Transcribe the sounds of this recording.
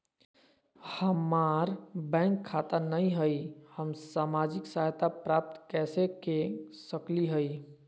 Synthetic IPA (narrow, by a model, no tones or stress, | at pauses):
həmaɾbɛ̃ŋkʰːat̪ənəiɦəjhəmsamad͡ʒiksaɦt̪apɾap̚t̪kɛsekesəkliɦəj